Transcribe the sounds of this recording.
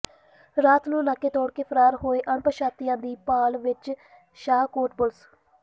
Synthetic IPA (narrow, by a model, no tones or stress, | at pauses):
ɾaːt̪nũːnaːkːeːt̪oːɽkeːpʰəɾaːɾɦoːeːʔəɳpəɾʃaːt̪ijãːd̪iːpaːlʋɪt͡ʃ | ʃaːkoːʈbʊls